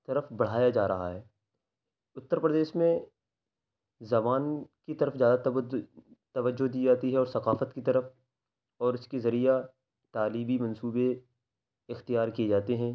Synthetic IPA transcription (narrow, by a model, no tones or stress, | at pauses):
t̪ɐɾəfbɐɽ̤aːjad͡ʒaːɾɐɦa̰ɦɛː | ʊt̪ːəɾpɾɐd̪eːʃmẽ | zɐbaːnkit̪ɐɾəfzjaːd̪a | t̪ɐʋəd͡ʒːod̪iːd͡ʒaːt̪iɦɛɔːɾsɐqaːfət̪kit̪ɐɾəf | ɔːɾɪskezɐɾija | t̪aːliːbimɐ̃nsuːbe | ɪxt̪ijaːɾkied͡ʒaːt̪eɦɛ̃ː